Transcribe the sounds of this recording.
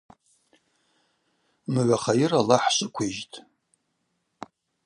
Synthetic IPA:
mɨɥʷaχajiralaħʃʷʼɪkʷʰeʒtʼ

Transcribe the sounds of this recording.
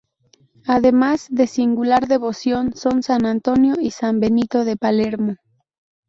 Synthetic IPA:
aðemazðe̞siŋɡulaɾðe̞βo̞sjo̞nso̞nsanãnt̪o̞njo̞isambe̞nit̪o̞ðe̞paleɾmo

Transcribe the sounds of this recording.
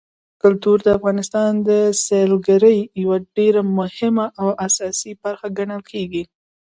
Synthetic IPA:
kʊlt̪uɾd̪əafɣɑnɪst̪ɑnd̪əselɡaɾəjjawaɖeɾamʊhɪmaʔawʔasɑsibaɾxaɡaɳəlkʰeɡi

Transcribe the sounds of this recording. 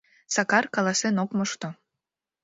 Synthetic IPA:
sɑkɑrkɑlɑsenokməʃt̪o

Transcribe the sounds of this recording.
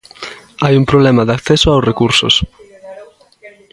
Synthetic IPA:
ajuŋpɾoβlɛmaðakθesoawsrekuɾso̰s

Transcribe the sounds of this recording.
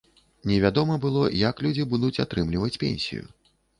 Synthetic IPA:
nʲɛvʲad̪ɔmɐbɨlˠɔjaklʲud͡zʲibud̪ut͡sʲat̪ɾɨmlʲivɐt͡sʲpʲḛnʲsʲḭjṵ

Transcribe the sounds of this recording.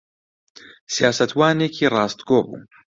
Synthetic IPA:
sijaːsɐt̪ʰwaːneːkʰiːrɑːst̪ɡoːbṵː

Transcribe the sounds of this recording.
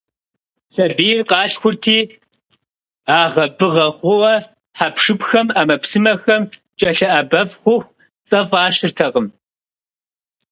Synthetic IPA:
sɐbiːrqɑːɬxʷʊrtʰiː | aːʁɐbɨʁɐχʷʊwɐ | ħapʰʂɨpxɐmaːmɐpsɨmɐxɐmt͡ʃʼɐɬɐʔɐbɐfχʷʊxʷ | t͡sʼɐvɑːʂɨrtʰɐqəm

